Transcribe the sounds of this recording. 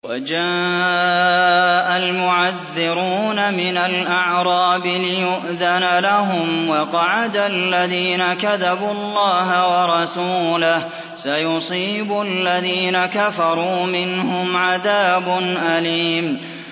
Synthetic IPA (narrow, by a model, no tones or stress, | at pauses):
wad͡ʒaː | ʔalmʊʕaðːɪɾuːnamɪnalʔaʕɾˤɑːbɪlɪjʊʔðanalaɦʊmwɑqɑʕad̪alːaðiːnakaðabʊɑlˤːɑːɦawɑɾˤɑsuːlah | sajʊsˤiːbʊalːaðiːnakafɑɾˤuːmɪnhʊmʕaðaːbʊnʔaliːm